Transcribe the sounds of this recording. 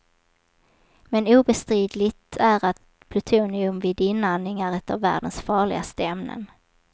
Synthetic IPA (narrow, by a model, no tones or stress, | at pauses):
mɛnuːbɛst̪ɾiːd̪lɪt̪ʰæɾat̪ | pʰlɵt̪ʰuːnɪɵmvɪːd̪ɪnːanɪŋaɾɛt̪avːæ̰ːɖənsfɑːɭɪ̰ɡast̪əɛmnə̰n